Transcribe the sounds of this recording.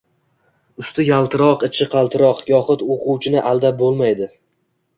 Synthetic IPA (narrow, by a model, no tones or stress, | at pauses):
ʊst̪ɪjalˠt̪ʰɪɾɒqɪt͡ʃʰɪqʰɑlˠt̪ʰɪɾɒqjɒχɨt̪oqʰʊwt͡ʃʰɪnɪʔalˠd̪abolˠmajd̪ɪ